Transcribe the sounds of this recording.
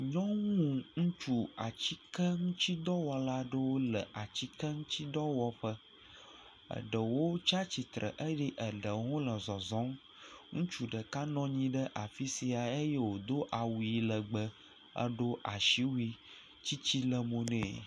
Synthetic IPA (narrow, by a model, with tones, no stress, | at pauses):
ɲɔ̃˦ŋũ˦ŋũ˦t͡ʃu˦a˨t͡ɕi˦kə˦ŋũ˦t͡ɕi˦d̪ɔ˦wɔ˨la˦ɖə˦wo˦lə˨ʔa˨t͡ɕi˦kə˦ŋũ˦t͡ɕi˦d̪ɔ˦wɔ˦ɸə˦ | ə̰˨ɖə˨wo˦t͡ʃa˦t͡ɕi˨t̪ɾə̰˨ʔə˦jɛ˦ʔə˨ɖə˨ŋõ˦lə˨zɔ˨zɔ̃˨˦m | ŋũ˦t͡ʃu˨ɖə˨ka˦nɔ̃˦ɲĩ˦ɖə˦ʔa˨fi˦si˨a˨e˦je˦wo˨d̪o˦ʔa˨wu˨i˨lə˨ɡ͡bə˦ | ə̰˦ɖo˦ʔa˨ʃi˦wu˦i˦ | t͡ɕi˦t͡ɕi˦lə˨mõ˨nɛ̃˦˨